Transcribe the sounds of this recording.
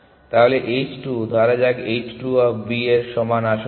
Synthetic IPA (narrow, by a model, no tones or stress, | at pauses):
t̪aɦoleʔet͡ɕʈud̪ʱaɾad͡ʑaɡejt͡ɕʈuɔbieɾʃɔmanaʃo